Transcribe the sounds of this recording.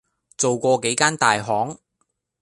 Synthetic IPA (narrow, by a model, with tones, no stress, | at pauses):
t͡so˨wkʷɔː˧ke˨˥jkaː˥nt̪aː˨jɦɔː˨˥ŋ